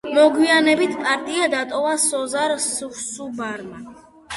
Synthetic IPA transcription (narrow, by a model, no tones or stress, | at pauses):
mɔɡwianɛbit̪ʰpʼaɾt̪ʼiad̪at̪ʼɔvasɔzaɾsusubaɾma